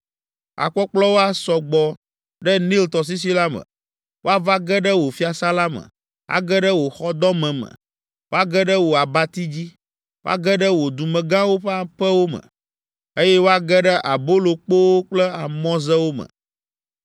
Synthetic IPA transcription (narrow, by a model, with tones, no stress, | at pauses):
a̰˨k͡pɔ˦k͡plɔ˦wo˦a˦sɔ˨ɡ͡bɔ˨ | ɖə˦nĩ˦lt̪ɔ˨s̬i˦s̬i˦la˦mə̰̃˨ | wo˦a˦va˦ɡɛ˦ɖə˦wo˨fi˦a˨sa˦la˦mə̰˨ | a̰˦ɡɛ˦ɖə˦wo˨xɔ˦d̪ɔ˦mɛ̃˨mə̰̃˨ | wʔo˦a˦ɡɛ˦ɖə˦wo˨a˨ba˦t̪i˦d͡ʑi˦ | wo˦a̰˦ɡɛ˦ɖə˦wo˨d̪u˨mɛ̃˨ɡã˦wo˦ɸɛ˦a˦ɸə˦wo˦mə̰̃˨ | e˦jɛ˦wo˦a˦ɡɛ˦ɖə˦ʔa˨bo˦lo˨k͡po˦wo˦k͡plɛ˦a˨mɔ̃˦zɛ˦wo˦mə̰̃˨